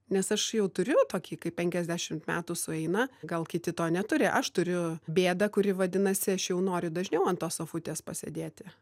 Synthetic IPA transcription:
nʲɛsɐʃjɛʊt̪ʊɾʲʊt̪oːkʲiːkɐɪppʲɛŋʲkʲɛzʲd̪ʲæːʃʲɪmt̪mʲæːt̪uːsʊɛɪnɐɡɐlˠkʲɪt̪ʲɪt̪oːnʲɛt̪ʊɾʲɪʔɐʃt̪ʊɾʲʊbʲeːd̪ɐkʊɾʲɪʋɐd̪ʲɪnɐsʲɪɐʃjɛʊnoːɾʲʊd̪ɐʒʲnʲɛʊɐnt̪oːsoːfʊt̪ʲeːspɐsʲḛd̪ʲeːt̪ʲɪ

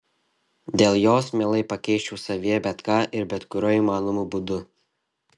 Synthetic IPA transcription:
d̪ʲeːlˠjoːsmʲeːlˠɐɪpɐkʲɛɪʃʲt͡ʃʲuʊːsɐʋʲiɛbʲɛt̪kɑːʔɪɾbʲɛt̪kʊɾʲoiːmɑːnomuːbuːd̪ʊ

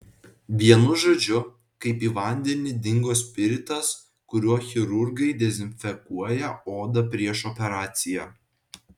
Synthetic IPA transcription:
ʋʲiɛnʊʒoːd͡ʒʲʊ | kɐɪpiːʋɐˑnʲd̪ʲɛnʲɪd̪ʲɪŋɡoːsʲpʲɪɾʲɪt̪ɐs | kʊɾʲuɔxʲɪɾʊɾɡɐɪd̪ʲɛzʲɪnʲfʲɛkuɔjɛoːd̪ɐpʲɾʲiɛʃɔpʲɛɾɑːt̪sʲɪjæː

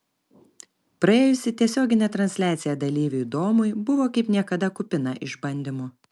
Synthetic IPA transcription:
pɾɐeːjʊsʲɪt̪ʲiɛsʲoːɡʲɪnʲeːt̪ɾɐnʲsʲlʲæːt̪sʲɪjɛd̪ɐlʲiːʋʲuɪd̪oːmʊɪbʊʋoːkɐɪpnʲiɛkɐd̪ɐkʊpʲɪnɐʔɪʒbɐnʲd̪ʲɪmʊ

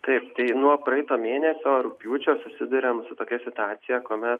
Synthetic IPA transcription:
t̪ɐɪpt̪ɐɪnuɔpɾɐɛɪt̪oːmʲeːnʲɛsʲoːɾʊpʲjuːt͡ʃʲoːsʊsʲɪd̪ʊɾʲeːmsʊt̪oːkʲɛsʲɪt̪ʊɑːt̪sʲɪjɛkuɔmʲɛt̪

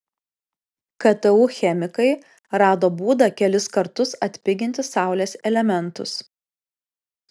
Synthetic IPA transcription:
kɐt̪ɐuːxʲɛmʲɪkɐɪ | ɾɑːd̪oːbuːd̪ɐkʲɛlʲɪskɐɾt̪ʊsɐt̪ʲpʲɪɡʲɪnʲt̪ʲɪsɑˑʊlʲeːsʲɛlʲɛmʲɛnˑt̪ʊ̰s

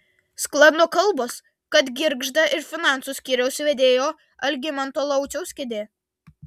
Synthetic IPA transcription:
sklˠɐnokɐlˠboːs | kɐt̪ɡʲɪɾɡʒd̪ɐʔɪɾfʲɪnɑˑnt̪suːˑsʲkʲiːɾʲɛʊsʋʲɛd̪ʲeːjoː | ɐlʲɡʲɪmɐnt̪oːlˠɐʊt͡ʃʲɛʊsʲkʲɪd̪ʲeː

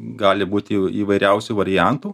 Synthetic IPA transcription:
ɡɑːlʲɪbuːt̪ʲɪiːʋɐɪɾʲɛʊsʲuːʋɐɾʲɪjænt̪uː

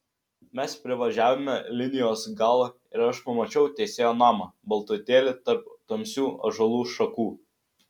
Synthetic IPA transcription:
mʲɛspʲɾʲɪʋɐʒʲæːʋʲomʲɛlʲɪnʲɪjoːsɡɑːlˠɐ | ɪɾɐʃpɐmɐt͡ʃʲɛʊt̪ʲɛsʲeːjoːnɑːmɑbɐlˠt̪ʊt̪ʲeːlʲɪt̪ɐɾp̚t̪oːmʲsʲuːɐ̰ʒɐlˠuːʃɐkuː

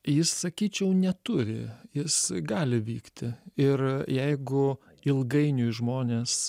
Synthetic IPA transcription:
jɪssɐkʲiːt͡ʃʲɛʊnʲɛt̪ʊɾʲɪ̰jɪsɡɑːlʲɪʋʲiːkt̪ʲɪɪrjɛɪɡʊ | ɪlˠɡɐɪnʲʊɪʒmoːnʲeːs

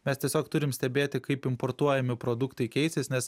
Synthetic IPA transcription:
mʲɛst̪ʲiɛsʲoːkt̪ʊɾʲɪmsʲt̪ʲɛbʲeːt̪ʲɪkɐɪpɪmpoɾt̪uɔjɛmʲɪpɾod̪ʊkt̪ɐɪkʲɛɪsʲɪsnʲɛs

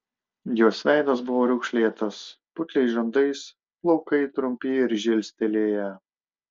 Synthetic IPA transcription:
joːsʋʲæˑɪd̪ɐsbʊʋoːɾʲʊkʃʲlʲeːt̪ɐs | pʊt̪ʲlʲɛɪʒɐnd̪ɐɪs | plˠɒʊkɐɪt̪ɾʊmʲpʲɪɪɾʒʲɪlʲsʲt̪ʲɛlʲeːjɛ

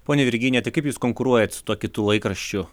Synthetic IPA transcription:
poːnʲeʋʲɪɾʲɡʲɪnʲeːt̪ɐɪkɐɪpjuːskoːŋkʊɾuɔjɛt̪ʲsʊ̥t̪uɔkʲɪt̪ʊlˠɐɪkɾɐʃʲt͡ʃʲʊ

